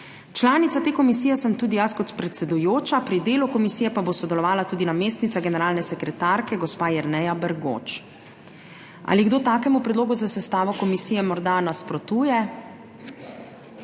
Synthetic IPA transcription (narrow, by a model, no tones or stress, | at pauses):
t͡ʃlaːnit̪at̪eːkɔmis̬iːjɛsəmt̪ud̪ijaskɔt̪pɾɛt̪sɛd̪ujoːt͡ʃapɾid̪eːlukɔmisijɛpabosɔd̪ɛlɔʋaːlat̪uːd̪inameːs̬t̪nit̪aɡɛnɛɾaːlnɛsɛkɾɛt̪aːɾkɛɡɔspaːjɛɾnɛjabɛɾɡo̰ːt͡ʃ | ʔa̰liɡd̪oːt̪aːkɛmupɾɛd̪loːɡuzasɛst̪aːʋɔkɔmisiːjɛmɔɾd̪anaspɾɔt̪uːjɛ